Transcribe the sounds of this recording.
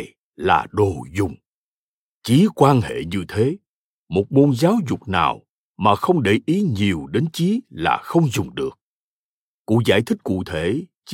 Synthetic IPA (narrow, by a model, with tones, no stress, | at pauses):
la̰ː˨˩ɗo˨˩zʊ˨˩ŋ͡m | t͡ɕi˨˦kwaː˧nhḛ˧˨ɲɨ˧t̪ʰe˨˦ | mo˨˩t̚ɓo˧nzaː˨˦wzʊ˨˩k͡p̚na̰ː˨˩w | maː˨˩xə˧wŋ͡mɗe˧˩ʔi˨˦ɲi˨˩əwɗe˨˦nt͡ɕi˨˦la̰ː˨˩xə˧wŋ͡mzʊ˨˩ŋ͡mɗɨ˨˩ək̚ | kṵ˧˥za̰ː˧˩jt̪ʰï˦˥k̟̚kṵ˧˨t̪ʰe˧˩˨